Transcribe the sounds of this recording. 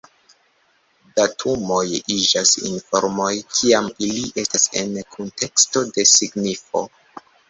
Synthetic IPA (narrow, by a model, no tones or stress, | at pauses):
datʰumo̞jid͡ʒasḭnfo̞̰ɾmo̞jkʰiamiliʔe̞stase̞̰nkʰontʰe̞ksto̞de̞siɡnifo̞̰